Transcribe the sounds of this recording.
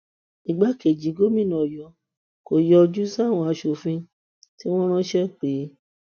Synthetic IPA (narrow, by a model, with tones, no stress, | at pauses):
i˨ɡ͡ba˨˦ke˨d͡ʒi˨˦ɡo˦mĩ˦˨nã˨jɔ˨˧ | ko˨jɔ˧d͡ʒu˦sa˦˨w̃ɔ̃˧a˧ʃo˨fĩ˧ | ti˦w̃ɔ̃˦ɾ̃ɔ̃˦ʃɛ˦k͡pe˨˦